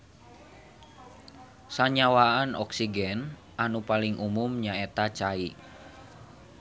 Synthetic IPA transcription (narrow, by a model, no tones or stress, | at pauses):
saɲawaanʔɔ̰ksiɡɛn | ʔanupalɪŋʔumumɲaet̪at͡ʃai